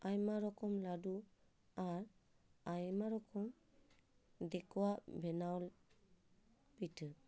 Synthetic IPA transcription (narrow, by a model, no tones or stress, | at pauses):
ajmaɾɔkɔmladu | aɾ | ajmaɾɔkʰɔm | dɛkʰuwaʔbʱɛnawl | pitʰɯ